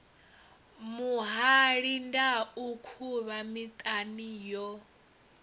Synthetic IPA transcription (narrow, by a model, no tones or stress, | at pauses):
muɦaɺindaukʰuβamit̪ʼanijɔ